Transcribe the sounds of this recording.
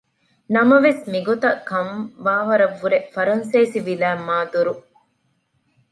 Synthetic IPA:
nɐmɐʋesmiɡot̪ɐkɐmʋaːɦɐɾɐʋːuɾefɐɾɐnsɐːsiʋilæːmːaːd̪uɾu

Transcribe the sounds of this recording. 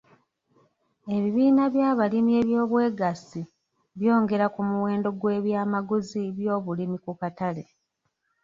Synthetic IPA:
e̞βiβiːnaβjaːβalimie̞ːβjo̞ːβwe̞ːɡasi | βjo̞ːŋɡe̞ɾakumuwe̞ːndo̞ɡwe̞ːβjaːmaɡuziβjo̞ːβulimikukatale̞

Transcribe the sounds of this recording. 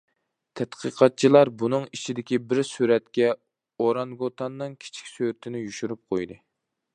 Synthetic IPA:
t̪ʰɛt̪qʰəqʰɑt̪̚t͡ʃʰilˠɑɾbunɨŋit͡ʃʰid̪ɪkʲibɪɾsyɾɛt̪kʲɛ | oɾɑŋɡot̪ʰɑnːɨŋkʲʰi̥t͡ʃʰi̥kʲsøɾɪt̪ʰɪnɪjyʃyɾyp̚qʰojd̪ɨ

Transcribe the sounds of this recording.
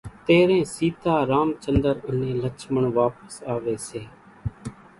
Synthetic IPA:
t̪eːɾẽːsiːt̪aːɾaːmt͡ʃənd̪əɾʊnẽːlət͡ʃʰməɳʋaːpəsaːʋeːseː

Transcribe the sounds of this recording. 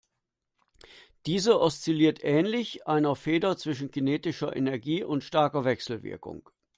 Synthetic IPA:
d̥iːzəʔɔst͡siliːɐtʔɛːnlɪçʔaɪnɐfeːdɐt͡sv̥ɪʃn̩kʰineːtɪʃɐʔḛnɛɐɡiːʔʊntʃtaɐkɐvɛksl̩vɪ̰ɐkʊ̰ŋ

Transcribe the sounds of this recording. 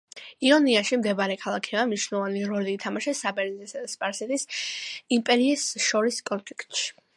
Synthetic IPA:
iɔniaʃimd̪ɛbaɾɛkʰalˠakʰiamniʃnɛlˠɔvaniɾɔliːt̪ʰamaʃɛsabɛɾnizɛsaspʼaɾsɛt̪ʼisimpʼɛɾiːsʃɔɾiskʼɔnfʰlikʰt̪ʼʃi̥

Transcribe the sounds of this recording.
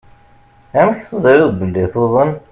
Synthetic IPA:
æmçθəzˤiɾɪðˤbəlːiθoðˤən

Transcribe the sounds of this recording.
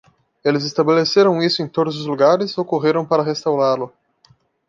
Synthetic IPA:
elɪzest̪abeleseɾɐ̃w̃isʊẽj̃t̪od̪ʊzʊzluɡaɾɪzokoʁeɾɐ̃w̃paɾɐʁest̪awɾaɾlʊ

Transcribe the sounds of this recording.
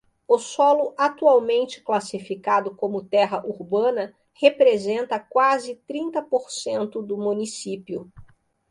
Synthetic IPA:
ʊsɔlʊʔat̪uawmẽnt͡ʃɪ̥klasifikad̪ʊkõmʊt̪ɛɦɐʔuɾbɐ̃nɐ | hepɾezẽnt̪ɐkwazɪt̪ɾĩnt̪ɐpoɾsẽnt̪ʊd̪ʊmũnisipjʊ

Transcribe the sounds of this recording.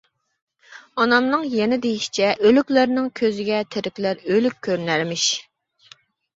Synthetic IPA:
ɑnɑmnɨŋjɛnɪd̪ejiʃt͡ʃʰɛʔølykʲlæɾnɪŋkʲʰøzɪɡʲɛt̪ʰeɾɪkʲlæɾølykʲʰːøɾnæɾmɪʃ

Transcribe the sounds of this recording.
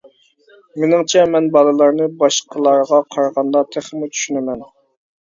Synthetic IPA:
menɪŋt͡ʃʰɛmɛnbɑlˠɨlˠɑɾnɨbɑʃqʰəlˠɑɾʁɑqʰɑɾʁɑnd̪ɑt̪ʰæχmut͡ʃʰy̥ʃynɪmɛn

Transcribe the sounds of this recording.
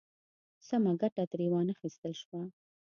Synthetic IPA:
samaɡaʈat̪ɾewɑnaxist̪əlʃwa

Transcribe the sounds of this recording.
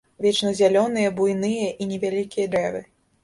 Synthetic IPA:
vʲɛt͡ʂnɐzʲalʲɔnɨjɐbujnɨjɐʔinʲɛvʲalʲikʲijɐd̪ɾɛvɨ̰

